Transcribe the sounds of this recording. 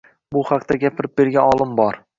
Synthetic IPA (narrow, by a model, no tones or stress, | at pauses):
bʊhaqt̪aɡʲapʰɪɾɪp̚be̞ɾɡʲanɒlˠɪmbɒɾ